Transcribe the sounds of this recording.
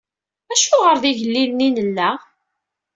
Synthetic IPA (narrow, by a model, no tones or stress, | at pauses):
æʃʊʁəɾðiʝəlːilninəlːæ